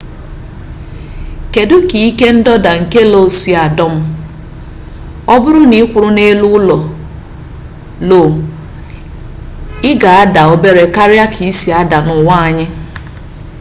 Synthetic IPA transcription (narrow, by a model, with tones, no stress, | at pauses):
ke˨dʊ˦ki˨i˦ke˦n̩˦dɔ˦da˨ŋ̩˨ke˦lo˦˨si˨a˨dɔ˦m̩˦ | ɔ˦bʊ˦ɾʊ˦ni˦kʷʊ˨ɾʊ˦ne˦lu˦ʊ˦lɔ˨ | lo˨ | ɪ˦ɡa˨a˦da˨o˦be˦ɾe˨ka˦ɾja˦kʰi˨i˦si˨a˦da˨nʊ˨wa˦a˨ɲɪ˦